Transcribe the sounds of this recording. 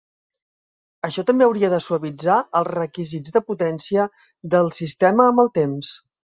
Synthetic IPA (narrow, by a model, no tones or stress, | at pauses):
əʃɔt̪əmbeəwɾiəðəsuəβid͡zaəlˠzrəkizid͡zðəput̪ɛnsiə | ðəlˠsist̪ɛməːmbəlˠt̪ems